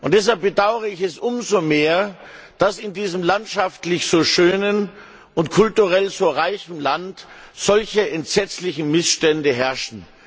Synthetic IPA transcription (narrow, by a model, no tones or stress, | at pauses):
ʔʊnt̚d̥ɛs̬halp̚b̥ədaʊəʁəɪçɛsʔʊmzomeːɐ | d̥asɪndiːzəmlantʃaftlɪçz̥oːʃøːnən | ʊntkʰʊltuʁɛlzoːʁaɪçn̩lantz̥ɔlçəʔɛntz̥ɛt͡slɪçn̩mɪsʃtɛndəɦɛɐʃn̩